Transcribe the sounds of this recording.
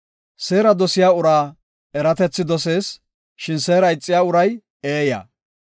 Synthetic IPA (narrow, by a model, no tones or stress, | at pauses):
se̞ːɾɐd̪ɔsɪjaːʊɾaː | ɛɾɐt̪ɛt͡sːɪd̪ɔs̬e̞ːs | ʃɪnseːɾɐjɪt͡sʼːɪjaːʊɾɐj | eːjɐ̰ː